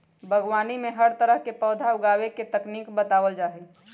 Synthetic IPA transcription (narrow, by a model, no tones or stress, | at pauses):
bʱəɡʋaːnimẽɦəɾt̪əɾəɦkepɔːd̪ʱaʊɡaːweket̪ɐkniːkbət̪aːʋəld͡ʒaːɦe